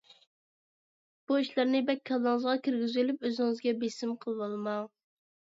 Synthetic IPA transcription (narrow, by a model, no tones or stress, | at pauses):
b̥uiʃlˠæɾnɪbɛkʲʰːɑlˠɑŋəzʁɑkʲiɾɡʲyzylyp̚øzɪŋɨzɡʲɛbesɪmqʰəlˠwɑlˠmɑŋ